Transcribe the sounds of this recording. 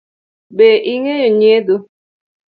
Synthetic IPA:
beʔiŋejɔɲedo

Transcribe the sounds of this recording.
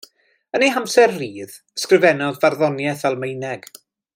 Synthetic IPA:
əneɦamsɛrriːð | əskrɨvɛnɔðvarðɔnjɛθɛlˠmejnɛɡ̥

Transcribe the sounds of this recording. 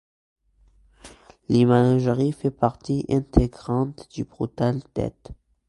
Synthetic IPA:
limanaʒʁifɛpaʁt̪iʔɛ̃t̪ʰeɡʁɑ̃t̪d̪̥ybʁut̪ald̪̥ɛ̰t̪

